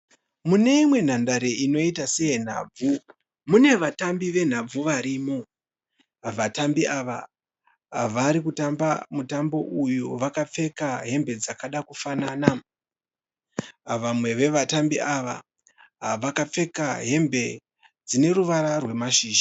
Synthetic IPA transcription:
mune̞imwe̞n̤andaɾeino̞itase̞jen̤a̰ːb͡vu | mune̞ʋatambiʋe̞n̤ab͡vuʋaɾimo̞ | ʋatambiaʋa̰ | ɦaʋaɾikutambamutambo̞ʔujuʋakap͡fe̞kaɦe̞mbe̞d͡zakaɗakufanaːna | ʋamwe̞ʋe̞ʋatambiaʋa̰ | ɦaʋakap͡fe̞kaɦe̞mbe̞ | d͡zine̞ɾuʋaɾarwe̞maʃiːʒḁ

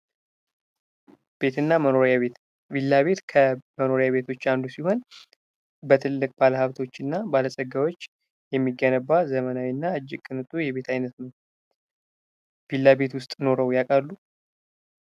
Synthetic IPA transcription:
b̥e̞t̪ɨnːamənoɾae | bilːaβe̞t̪kʰəməno̞ɾjaβe̞t̪ʰo̞t͡ʃːand̪usiho̞n | bət̪ʰɨlːɨkʼb̥aləhaβt̪ʰo̞t͡ʃːɨnːabaləsʼəɡawo̞t͡ʃː | jɛmːiɡːənəbːazəmənawinːaɨd͡ʒːɪkʼːɨnɨt̪ʼujɛβe̞t̪ʰajnət̪n | b̥ilːabe̞t̪wʊst̪ʼno̞ɾəwjakʼalːu

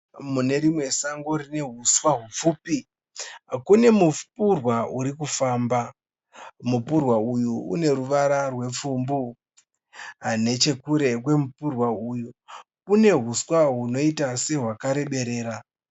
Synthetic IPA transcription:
mune̞ɾimwe̞saŋɡoɾine̞ɦuswaɦup͡fuːpi | kune̞mupurwauɾikufaːmba | mupurwaujuṵne̞ɾuʋaɾarwe̞p͡fumbu | ɦane̞t͡ʃe̞kuɾe̞k̬we̞mupurwauːju | une̞ɦuswaɦuno̞itase̞ɦwakaɾe̞ɓe̞ɾe̞ːɾa

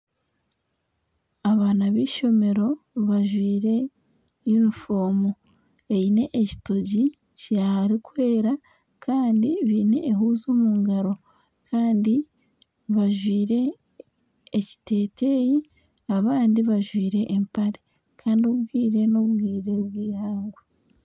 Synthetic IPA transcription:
aβaːnaβiːʃo̞me̞ɾo̞ | βaʒwiːɾe̞ | junifo̞ːmo | eine̞ʔeci̥toɟi | ciahaɾikwe̞ːɾa | kʰaːndiβiːne̞ʔːɦuzomuːŋɡaɾo̞ | kʰaːndi | βaʒwiːɾe̞ | ci̥te̞ːtʰeji | aβaːndiβaʒwiːɾe̞ʔːmpaɾe | kʰaːndioβbɡwiːɾe̞noβɡwiːɾe̞βɡiːhaːŋɡo

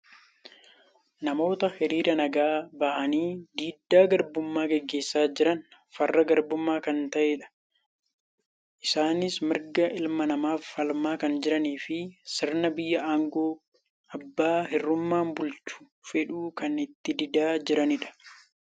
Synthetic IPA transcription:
nɐmo̞ːt̪ɐhɪɾiːɾɐnɐɡaːbɐʔɐniːd̪iːd̪ːaːɡɐɾbʊmːaːɡɛɡːe̞ːsːaːd͡ʒɪɾɐn | fɐrːɐɡɐɾbʊmːaːkɐnt̪ɐʔeːᶑɐ̥ | ʔɪsaːnɪsmɪɾɡɐʔɪlmɐnɐmaːfːɐlmaːkɐnd͡ʒɪɾɐniːfɪsɪɾnɐbɪjːɐʔaːŋɡoː | ɐbːaːɦɪrːʊmːaːmbʊlt͡ʃʊ̥ | fɛᶑuːkɐnɪt̪ːɪd̪ɪd̪aːd͡ʒɪɾɐnɪᶑɐ̥

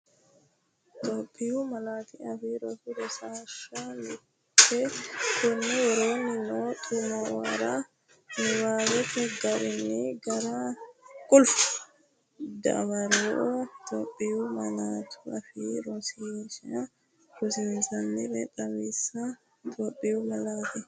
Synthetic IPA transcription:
t̪ʼɔpʼːɪjuːmɐlaːt̪iɐfiːɾɔfɪd̪ɔsaːʃamɪ | ɛkʊnːɪjɛɾo̞ːnɪnot̪ʼʊmowɐ̰ɾa | nɪwaːwɛt̪ːɛɡɐɾɪniɡɐɾakʼʊlfʊ̥ | d̪ɐ̰wɐɾoʔot̪ʼoːpʼːɪjumɐlaːt̪ʰʊɐfiːɾɔsiʃ | ɾʊsɪnsɐnːɪɾɛ̰t̪ʼːɐmisːɐ | t̪ʼoːpʼːɪjʊmɐlaːt̪ɪ

